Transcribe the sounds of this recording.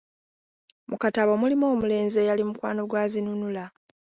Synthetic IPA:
mukataβomulimo̞ːmule̞ːnze̞jalimukwa̰ːno̞ɡwaːzinunula

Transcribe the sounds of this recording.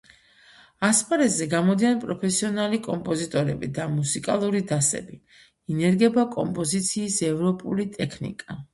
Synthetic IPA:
aspʰʼaɾɛzɛɡamɔd̪ianpʼɾɔpʰɛsiɔnalikʼɔmpʼɔzit̪ʼɔɾɛbid̪amusikʼalˠuɾid̪asɛ̰bi | inɛɾɡɛbakʼɔmpʼɔzit̪sʰiːsɛvɾɔpʼṵlit̪ʼɛkʰnḭkʼa

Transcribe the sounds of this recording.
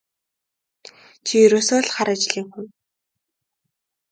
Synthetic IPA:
t͡ɕʰijɵɾoːsoːɮχaɾəːt͡ɕɮiːŋxun

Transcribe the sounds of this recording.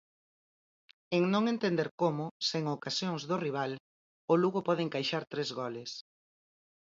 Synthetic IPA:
eŋnõŋent̪end̪eɾkomʊseŋokasjoŋzðʊriβ̞al | ʊluɣʊpɔð̞eŋkajʃaɾt̪ɾezɣɔlɪs

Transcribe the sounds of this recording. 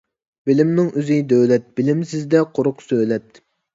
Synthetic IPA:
b̥ɪlɪmnɪŋyzɪd̪øwlɛt̪̚b̥ɪlɪmsɪzd̪ɛqʰoɾʊqsøjlɛt̪̚

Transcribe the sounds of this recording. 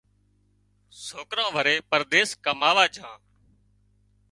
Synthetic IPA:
soːkɾãːʋəɾeːpəɾd̪eːskəmaːʋaːt͡ʃʰãː

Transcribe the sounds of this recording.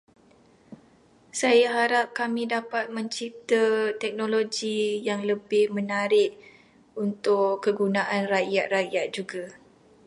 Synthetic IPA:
sajaɦaɾap̚kamĩdapat̪̚mə̃ɲt͡ʃip̚t̪at̪ɛk̚noloɡijaŋləbɪhmə̃naɾɪʔ | unt̪ʊʔəɡunaʔanrajat̪̚rajat̪̚d͡ʒuɡa

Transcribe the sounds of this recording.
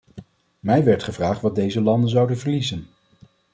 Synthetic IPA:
mɛjʋɛɹtχəvraːχtʋɑd̚dejzəlɑndənzɑwdənvəɹlizən

